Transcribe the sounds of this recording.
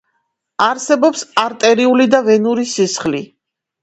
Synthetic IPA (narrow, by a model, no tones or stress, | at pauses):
aɾsɛbɔpsaɾt̪ʼɛɾiulid̪avɛnuɾisisχli